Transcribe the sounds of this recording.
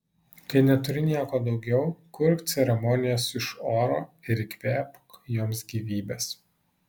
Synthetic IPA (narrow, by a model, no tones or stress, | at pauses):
kɐɪnʲɛt̪ʊɾʲɪnʲiɛkoːd̪ɒʊɡʲɛʊkʊɾʲpt̪sʲɛɾʲɛmɔːnʲɪjoːsɪʃoːɾoːɪɾɪkʲʋʲæːpjoːmsɡʲiːʋʲiːbʲeːs